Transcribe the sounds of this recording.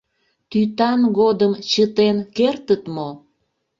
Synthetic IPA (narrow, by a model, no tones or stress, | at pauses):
t̪yt̪ɑnɣod̪əmt͡ɕət̪enkert̪ət̪mo